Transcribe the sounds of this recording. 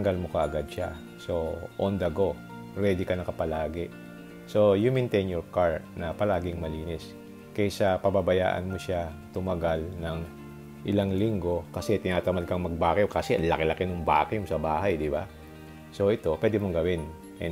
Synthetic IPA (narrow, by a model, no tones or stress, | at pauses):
t̪ɐŋɡalmokɐʔɐɡad̪̚ʃa | so̞ʔond̪ɐɡo | ɾɛːd̪ɪkɐnɐkɐpɐlaːɡɛ | so̞jʊŋmɛnt̪ɛjnjoɹkaɹnɐpɐlaːɡɪŋmɐliːnɪs | kɐjsɐpɐbabɐja̰ːʔɐ̰nmoʃat̪ʊmɐɡalnɐŋ | ʔɪlaŋliŋɡo̞kɐsɛt̪ɪnaːt̪ɐmɐl̚kɐŋmɐɡ̚baːkɛkasɛʔnlɐkelɐkɛnʊŋba̰ːkɛjŋsɐbaːɦajd̪ɪba̰ | so̞ʔɛt̪o̞pwɛːd̪ɛmoŋɡɐwɪn | ʔɛ